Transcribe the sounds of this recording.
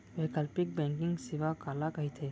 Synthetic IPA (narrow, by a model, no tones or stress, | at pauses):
ʋeːkəlpɪk̚bɛ̃ːŋkɪ̃ŋɡsɪʋakaːlakɐɦit̪ʰeː